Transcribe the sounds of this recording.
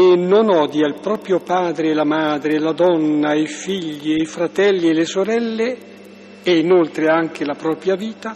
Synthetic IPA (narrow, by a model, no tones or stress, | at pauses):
enːonɔːd̪jailpɾɔːpɾjopaːd̪ɾelamaːd̪ɾelad̪ɔnːaifiʎːiejfɾat̪ɛlːielesoɾɛlːe | einolt̪ɾeaŋk̟elapɾɔːpɾjaviːt̪a